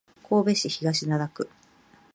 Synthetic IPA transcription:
kʰo̞ːbe̞ɕiçiɡaɕinad̪akɯ̟

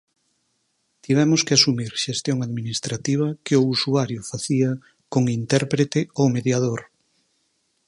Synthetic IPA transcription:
t̪iβ̞ɛmoskeasumiɾʃest̪joŋaðminist̪ɾat̪iβ̞ɐkeousuaɾjofaθiɐ | koŋint̪ɛɾpɾet̪eomeðjað̞oɾ

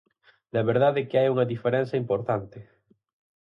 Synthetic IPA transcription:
d̪ɐβeɾðaðekɪajuŋɐðifeɾɛn̟θɐimpoɾt̪ant̪ɪ

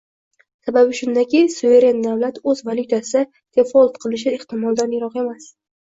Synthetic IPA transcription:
sababɪʃʊnd̪akʲisuve̞ɾe̞nːavlat̪ɵzvalʲˠʊt̪ʰasɪɪ | t̪ʰe̞fɒlt̪qʰɨlˠɪʃ̬ɪɪχt̪ʰɪmɒlˠd̪anjaɾɒqe̞mas

